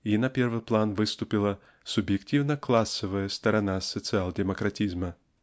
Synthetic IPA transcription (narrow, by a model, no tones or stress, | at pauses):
inɐpʲervɨjplˠanvɨst̪ʊpʲilˠə | sʊbjɪktʲivnəklˠasːəvəjəst̪ɐɾɐnasːət̪sɨalˠdʲɪmɐkɾatʲizmə